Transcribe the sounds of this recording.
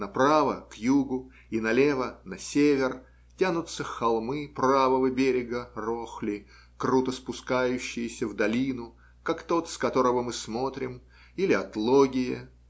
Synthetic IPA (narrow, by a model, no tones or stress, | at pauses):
nɐpɾavəkjuɡʊ | inɐlʲevənɐsʲevʲɪr | tʲanʊt̪sːəfxɐlˠmɨpravəvəbʲeɾʲɪɡəroxlʲɪ | krut̪əspʊskajʉɕːɪjɪsʲəvd̪ɐlʲinʊ | kakt̪o̞t̪skɐt̪o̞ɾəvəmɨsmo̞t̪ɾʲɪm | ilʲɪɐt̪lˠoɡʲɪjɪ